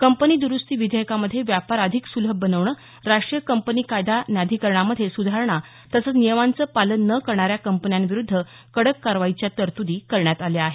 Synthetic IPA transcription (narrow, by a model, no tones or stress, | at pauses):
kəmpəniːd̪uɾust̪iːʋid̪ʱəjəkaməd̪ʱːjeʋjapaɾəd̪ʱiksuləbənəʋɳə | ɾaʂʈɾijəkəmpəniːkajd̪ʱanjad̪ʱikəɾɳaməd̪ʱjesud̪ʱaɾɳa | t̪əsət͡snijəmant͡səːpalənːəkəɾɳaɾjakəmpənjanʋiɾud̪ʱːə | kəɽəkːaɾʋait͡ɕjat̪əɾt̪ud̪iːkəɾɳjat̪aljaaɦe